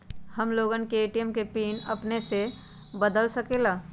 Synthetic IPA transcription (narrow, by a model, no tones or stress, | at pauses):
hɐmloːɡənkeːʈiɛmkepiːnɐpnese | bəd̪əlsɐkelaː